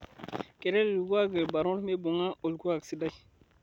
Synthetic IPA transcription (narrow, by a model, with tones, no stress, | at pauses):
kɛ˨ɾɛ˦lu˨ɡu˦a˦ɡe˨lba˨ɾɔ̃˦ɾme˦bo˨ŋa˦o˨lɡu˦a˨ɡsi˦da˦ji˨